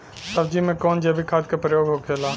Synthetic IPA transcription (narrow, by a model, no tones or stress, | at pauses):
səbd͡ʒimẽkɔːnd͡ʒebʱikʰaːd̪̚kapɾəjoːɡɦokʰeːlaː